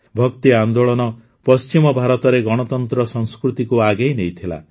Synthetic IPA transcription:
bʱɔkt̪iand̪oɭɔnɔ | pɔst͡ʃimɔbʱaɾɔt̪ɔɾeɡɔɽ̃ɔt̪ɔnt̪ɾɔsɔŋskɾut̪ikuaɡejnejt̪ʰila̰

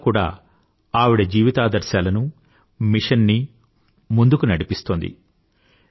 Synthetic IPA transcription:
kuːɽa̰ː | aːʋiɽɐd͡ʒiːʋit̪aːd̪ɐɾʃjaːlɐnu | miʂɐnːi | mund̪ukunɐɽipist̪oːnd̪ḭ

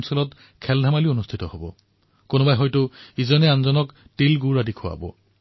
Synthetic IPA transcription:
nsɔlɔt | kʰɛldʱamalionustʰitɔhobɔ̰ | konʊbajɦɔjtʊizɔnɛanzɔnɔk | tilɡuɹadikʰʊa̰bɔ̰

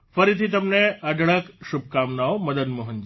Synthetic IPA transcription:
fɐɾit̪ʰit̪ɐmnẽɐɖʱɽəkʃʊb̚ʱkaːmnaomɐd̪ənmʊɦənd͡ʑ

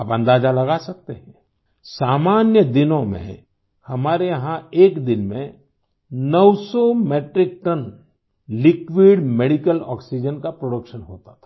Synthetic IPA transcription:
apɐ̃nd̪aːd͡ʒalɐɡasɐk̚t̪eɦɛ̃ | saːmaːnjəd̪ɪnõmḛ̃ | hɐmaːɾeɦãeːkd̪ɪnmẽ | nɔwsɔmeːʈɾɪk̚ʈən | lɪkwɪɖmɛɽɪkəlɔ̰ːksid͡ʒənkapɾoɽəkʃənɦoːt̪at̪ʰḁ

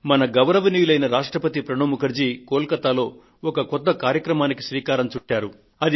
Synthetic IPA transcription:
mɐnɐɡɐʋɾɐʋɐniːlɐjnɐɾaːʂʈɾɐpɐt̪ipɾɐɳoːmukɐɾd͡ʒiːkoːlkɐt̪ːaːlo̞ː | ɔkɐkɔd̪ːɐkaːɾjɐkɾɐmaːniki̥sʋiːkaːɾɐmt͡ʃuʈːaːɾu | ɐd̪i

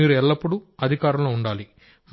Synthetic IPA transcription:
iːɾuɛɭːɐpːuɽuɐd̪ʱikaːɾɐmloːuɳɖaːli | m

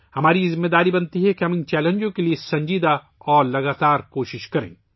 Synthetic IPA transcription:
hɐmaːɾizɪmːed̪aːɾibɐnt̪iɦɛkeɦɐmɪnt͡ʃɛːlẽnd͡ʒõkeliesɐ̃ɲd͡ʒiːd̪a | ɔːɾlɐɡaːt̪aːɾkoːʃɪʃkɐɾḛ̃ː

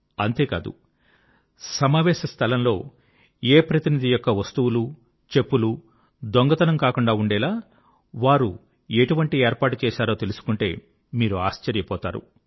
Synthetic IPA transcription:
ɐnt̪e̞ːka̰ːd̪ṵ | sɐmaːʋɛːʃɐst̪ʰɐlɐmlo̞ː | eːpɾɐt̪inid̪ijɔkːɐʋɐst̪uwulu | t͡ʃe̞pːulu | d̪oŋɡɐt̪ɐnɐmkaːkuɳɖaːuɳɖɛːlaː | ʋaːɾu | eʈuʋɐɳʈieːɾpaːʈut͡ʃɛːʃaːɾo̞ːt̪e̞lusu̥kuɳʈe̞ː | miːɾua̰ːʃt͡ʃɐɾjɐpɔːt̪a̰ːɾṵ

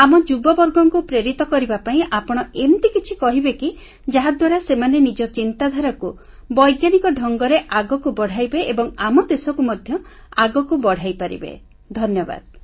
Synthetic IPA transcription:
amɔd͡ʒubɔbɔɾɡɔŋkupɾeɾit̪ɔkɔɾibapaĩʔapɔɽ̃ɔent̪ikit͡ʃʰikɔɦibeki | d͡ʒaɦad̪waɾasemanenid͡ʒɔt͡ʃint̪ad̪ʱaɾɔku | bɔjɡjanikɔɖʱɔŋɡɔɾeʔaɡɔkubɔɽ̤ajbeʔebɔŋamɔd̪esɔkumɔd̪ʱjɔ | a̰ɡɔkubɔɽ̤ajpaɾḭbḛ | d̪ʱɔnjɔba̰d̪̚

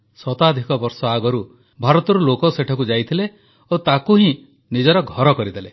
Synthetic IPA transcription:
sɔt̪ad̪ʱikɔbɔɾsɔaɡɔɾu | bʱaɾɔt̪ɔɾulokɔseʈʰɔkud͡ʒajt̪ʰile | ot̪akuɦĩ | nid͡ʒɔɾɔɡʱɔɾɔkɔɾid̪ʱele

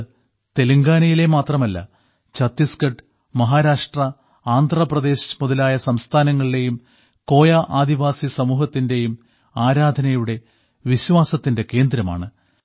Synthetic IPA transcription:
t̪e̞luŋɡaːnɐjile̞maːt̪rɐmɐlːɐ̰ | t͡ɕɐt̪ːiskɐɖ | mɐɦaːɾaːʂʈrɐ | aːnd̪ʱrɐprɐd̪e̞ːɕmuðɐlaːjɐsɐmst̪ʰaːnɐŋːɐɭiɽe̞jum | ko̞ːjaʔaːd̪iʋaːsisɐmuːɦɐt̪ːinde̞jum | aːɾaːd̪ʱɐnɐjuɽe̞ | ʋiɕʋaːsɐt̪ːinde̞ke̞ːnd̪ɾɐma̰ːɳɨ

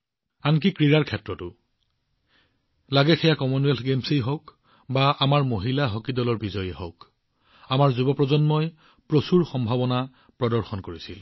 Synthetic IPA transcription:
ank̬ikɹiɹaɹkʰɛtɹɔtʊ | laɡɛxʰɛjakɔmɔnɛlɡemsejɦoʊk | baʔamaɹmoɦilaɦɔkidɔlɔɹbizɔjɛɦoʊk | amaɹzubɔpɹɔzɔnmɔj | pɹosuɹxɔmbʱabɔna | pɹɔdɔɹxɔnkoɹisḭl

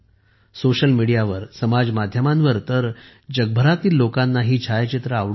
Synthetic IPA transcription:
soɕəlmiɽijaʋəɾsəmad͡zmad̪ʱjəmãnʋəɾt̪əɾ | d͡ʑəɡ̚bʱəɾat̪iːlːokanːaɦiːt͡ɕʰajt͡ɕit̪ɾəaʋɽ

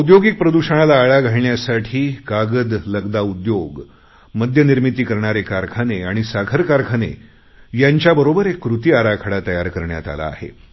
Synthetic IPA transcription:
ud̪joɡik̚pɾəd̪uɕəɳ̃alaːɭaɡʱaɭɳjasaʈʰiːkaɡəd̪ləɡd̪aud̪joɡ | məd̪ʱjəniɾmit̪iːkəɾɳ̃aɾekaɾkʰaneaɽ̃isaɡʰʱəɾkaɾkʰanḛ | jaɲt͡ɕjabəɾobəɾekːɾut̪iːaɾakʰəɽat̪əjaɾkəɾɳja̰t̪a̰la̰ːhḛ

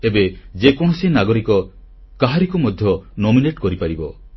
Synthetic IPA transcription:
ebed͡ʒekɔɽ̃ɔsinaɡɔɾikɔ | kaɦaɾikumɔd̪ʱjɔnomineʈkɔɾipaɾibɔ

